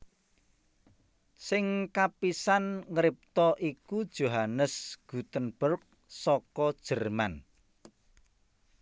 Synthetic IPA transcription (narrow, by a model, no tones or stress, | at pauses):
sɪŋkapisanŋəɾɪp̚t̪ɔʔikud̥ʒ̥oɦanəsɡ̥ṳt̪ənb̥ʊrk̚ | sɔkɔd̥ʒ̥ərman